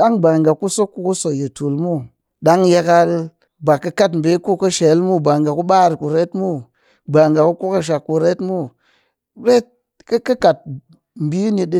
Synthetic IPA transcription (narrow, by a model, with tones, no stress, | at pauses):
ɗa˦ŋba˨ŋɡa˨ku˦so˦kːu˧ku˦so˨je˨tu˨lmu˦ | ɗa˦ŋje˧ka˧l | ba˨kːɐ˧ka˦tm̩˨be˦ku˦kɐ˦ʃe˨˦lmu˦˨ba˨ŋɡa˨ku˦ɓa˦˨ɾku˨ɾe˦tmu˦ | ba˨ŋɡa˨ku˦ku˦ka˧ʃ̬a˨kːu˧ɾe˦tmu˦ | ɾe˦t̚ | kkɐ˦ka˨t̚ | m̩˨bi˦ni˧ɗi˦